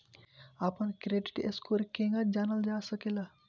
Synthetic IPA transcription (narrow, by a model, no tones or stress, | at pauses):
apəɳkɾeɖiʈḛskoɾkeŋɡat̪̚d͡ʑanəld͡zasəkela